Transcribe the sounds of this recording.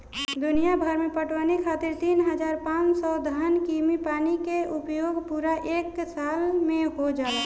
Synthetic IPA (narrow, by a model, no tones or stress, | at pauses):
d̪ʊnijabʱəɾmẽpəʈwanikʰaːt̪iɾt̪iːnɦəd͡ʒaːɾpãːt͡ʃsɔd̪ʱəənkimipaːnikeʔʊpjoːɡpuɾaʔeːksaːlmẽɦod͡ʒaːe